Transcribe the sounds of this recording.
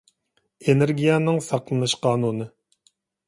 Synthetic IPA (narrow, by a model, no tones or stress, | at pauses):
eneɾɡʲijɛnɨŋsɑqlˠɨnɨʃqʰɑːnunɨ